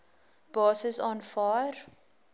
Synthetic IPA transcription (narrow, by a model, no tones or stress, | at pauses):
b̥ɑːsəsɔ̃nfaːr